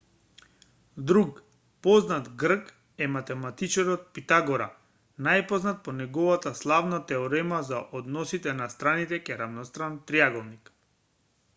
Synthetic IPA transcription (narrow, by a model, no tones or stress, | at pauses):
d̪ɾuk | pɔznat̪ɡɾ̩k | ɛmat̪ɛmat̪it͡ʃaɾɔt̪̚pit̪aɡɔɾa | najpɔznat̪̚pɔnɛɡɔvat̪aslˠavnat̪ɛɔɾɛmazaʔɔd̪nɔsit̪ɛnast̪ɾanit̪ɛkɛɾavnɔst̪ɾant̪ɾiaɡɔlˠnik